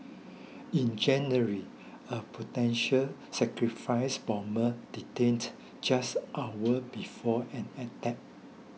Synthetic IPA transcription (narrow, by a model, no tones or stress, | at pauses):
ĩnd͡ʒɛ̃nəɹi | əpʰotɛ̃nʃəlsɛkɹifaɪsbɔ̃məd̥itẽnd | d͡ʒasʔawəbifɔɛ̃nɛtɛp̚